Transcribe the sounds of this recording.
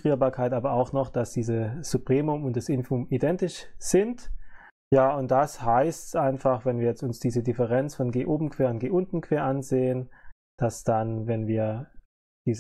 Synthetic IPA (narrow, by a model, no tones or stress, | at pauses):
ʁiːɐbaːɐkʰaɪtʔaːbɐaʊxnɔχd̥asd̥iːzəz̥upʁ̥eːmʊmʊntd̥asɪnfumidɛntɪʃz̥ɪnt | jaːʊnt̚d̥ashaɪstsʔaɪnfaχvɛnviːɐjɛt͡stʊnsd̥iːzədɪfəʁɛnt͡sfɔnɡeːʔoːbm̩kʰv̥eːɐʊntɡ̥eːʔʊntn̩kʰv̥eːɐʔanzeːən | d̥asd̥anvɛnviːɐ | d̥iːz